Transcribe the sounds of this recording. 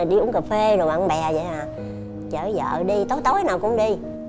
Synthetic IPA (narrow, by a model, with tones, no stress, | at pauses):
ɗi˧ʔʊ˧˥nkə˨˩p̚fe˧zo˨˩jmɓa̰˧˨ŋɓɛ˨˩zə̰˧˨jʔaː˨˩ | t͡ɕəː˧˩zə̰ː˧˨ɗi˧t̪o˨˦jt̪o˨˦jnaː˨˩wkʊ̰˧˥ŋ͡mɗi˧